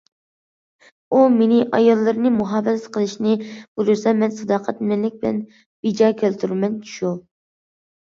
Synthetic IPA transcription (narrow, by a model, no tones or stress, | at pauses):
umenɪʔɑjɑlˠːɨɾnɨmuɦɑːvɨsɛt̪qʰəlˠɨʃnɨb̥uɾɨɾsɑmɛnsɑd̪ɑːqʰɛt̪̚mɛnlɪk̚ʲbɪlɛ̰n | bid͡ʒɑːkʲʰølt̪ʰyɾmɛnʃu